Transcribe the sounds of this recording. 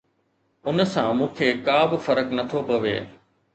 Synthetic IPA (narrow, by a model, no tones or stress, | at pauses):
ʊnsãmũːkʰeːkaːbɪfɐɾəknɐt̪ʰopɐʋḛː